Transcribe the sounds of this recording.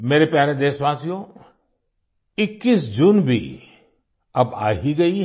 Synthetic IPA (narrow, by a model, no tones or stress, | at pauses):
meːɾepjaːɾẽd̪eːsʋaːsijõ | ɪkːiːsd͡ʒuːnbʱḭ | ɐba̰ːɦiɡɐi